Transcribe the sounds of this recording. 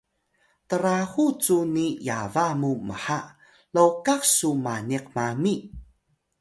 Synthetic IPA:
təɾahut͡sunijavamuməħa | lowkaksumaniq̚mami

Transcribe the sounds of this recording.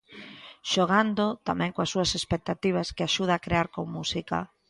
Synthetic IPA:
ʃoɣ̞and̪ot̪amɛ̃ŋkoasːuasespek̚t̪at̪iβ̞askeaʃuð̞aːkɾeaɾkoŋmusika̰

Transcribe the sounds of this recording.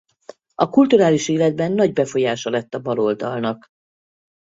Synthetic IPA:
ɒkult̪uɾaːliʃeːlɛd̪̚bɛnːɒɟbɛfo̞jaːʃɒlɛt̪ːɒbɒlo̞ld̪ɒlnɒk

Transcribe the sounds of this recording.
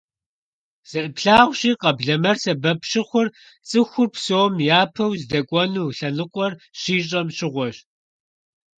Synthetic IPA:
z̥ɐrɨpɬaːʁʷɕiːqɐbɮɐmɐrsɐbɐpɕɪχʷʊr | t͡sʼɨxʷʊrpsoːmjaːpʰɐwzdɐkʷʼɔnuːɬɐnɨqʷʼɔrɕiːɕʼɐmɕɪʁʷɔɕ

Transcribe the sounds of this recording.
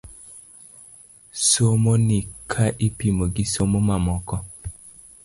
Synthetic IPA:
somonikʰaʔipimoɡisomomamɔkɔ

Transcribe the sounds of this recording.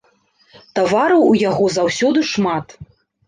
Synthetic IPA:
t̪avaɾɐwujaɣɔzawsʲɔd̪ɨʂmat̪

